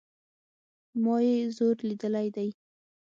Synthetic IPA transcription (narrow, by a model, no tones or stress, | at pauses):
mɑjezoɾlid̪əlajd̪aj